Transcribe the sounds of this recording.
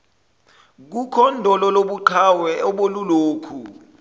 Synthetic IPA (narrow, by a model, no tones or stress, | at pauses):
k̬ukʰɔndʱɔlɔloɓuǃʰawɛɔɓoluloːkʰu